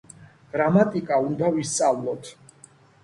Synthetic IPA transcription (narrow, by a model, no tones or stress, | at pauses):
ɡ̥ɾamat̪ʼikʼaund̪avist̪sʼavlˠɔt̪ʰ